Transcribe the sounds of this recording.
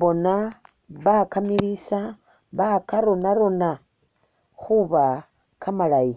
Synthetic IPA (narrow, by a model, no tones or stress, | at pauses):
βo̞na | βakamilisa | βakaɾo̞naɾo̞na | xuβa | kʰamalaji